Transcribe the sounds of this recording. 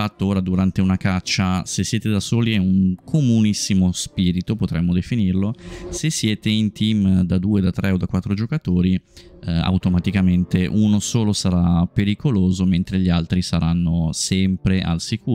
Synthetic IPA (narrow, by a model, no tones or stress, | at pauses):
fat̪ːooːɾad̪uɾant̪eunakat͡ʃːasesːjɛːt̪ed̪asoːliɛuŋkʰomunisːimospiːɾit̪opot̪ɾɛmːod̪efinirlosesːjeːt̪eint̪imd̪ad̪uːed̪at̪ɾʔɛod̪akwat̪ːɾod͡ʒokat̪oːɾi | a̰wt̪omat̪ikament̪eʔunosoːlosaɾapeɾikoloːzoment̪ɾeʎialt̪ɾisaɾanːosɛmpɾeʔa̰lsikuː